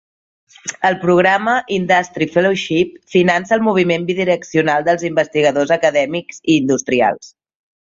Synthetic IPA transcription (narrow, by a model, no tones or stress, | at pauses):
əlˠpɾuɣɾaməʔind̪ast̪ɾifɛloʃip̚finansəlˠmuβ̞imembiðiɾəksiunalˠd̪əlˠzimbəst̪iɣ̞əðozəkəðɛmikz̥iːnd̪ust̪ɾia̰lˠs